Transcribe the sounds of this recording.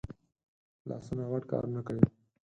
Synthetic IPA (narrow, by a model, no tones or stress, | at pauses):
lɑ̰sunaɣaʈkɑ̰ɾnakawi